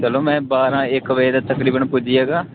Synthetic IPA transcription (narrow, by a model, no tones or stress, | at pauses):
t͡ʃəloːmɛ̃ːbaːɾãːɪkʋed̪aːt̪əkɾiːbənpʊd͡ʒijaːɡaː